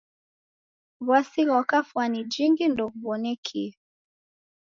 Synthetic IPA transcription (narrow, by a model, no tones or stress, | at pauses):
βwasiɣakafwanid͡ʒiŋɡindɔkuβɔnɛkʰi